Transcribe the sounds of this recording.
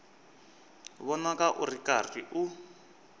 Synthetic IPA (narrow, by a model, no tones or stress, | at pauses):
βɔnakaʔurikariʔu